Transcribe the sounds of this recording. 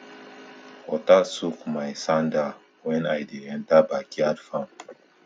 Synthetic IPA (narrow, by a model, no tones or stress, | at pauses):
ɔtasukmajsãnda | wɛ̃najdiɛ̃ntabakiadfãm